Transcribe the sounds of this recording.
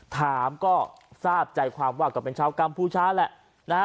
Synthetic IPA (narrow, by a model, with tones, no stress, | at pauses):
t̪ʰaː˩˦mkɔː˥˩ | saː˥˩p̚t͡ɕa˧jkʰwaː˧mwaː˥˩kɔː˥˩pe˧nt͡ɕʰaː˧wka˧mpʰuː˥˩t͡ɕʰaː˦˥lɛ˨˩ʔ | na˧